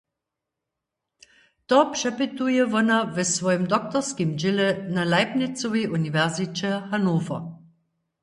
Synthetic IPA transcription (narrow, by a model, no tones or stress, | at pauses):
tɔpʃɛpɪt̪ujɛvɔnavəsvɔjəmd̪ɔk̚t̪ɔʁskimd͡ʑɪlɛnalaɪpnɪt͡soʋeʔunivɛʁzit͡ɕɛhanoːfɐ̰